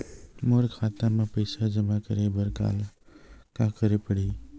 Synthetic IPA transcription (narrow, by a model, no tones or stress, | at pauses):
moːɾkʰaːt̪amãːpəɪsad͡ʒəmakəɾebəɾka̰ːl | kãkəɾepəɽiː